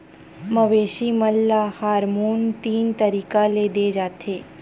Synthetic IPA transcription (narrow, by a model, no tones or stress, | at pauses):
mɐʋeːʃimɐlːahaːɾmuːnt̪iːnt̪ɐɾiːkaleːd̪ed͡ʒaːt̪ʰeː